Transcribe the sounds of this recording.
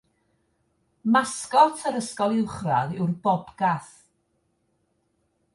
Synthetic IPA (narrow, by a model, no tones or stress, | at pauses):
maskɔtʰəɾəskɔlˠɪwχra̰ðɪwrbɔbɡaθ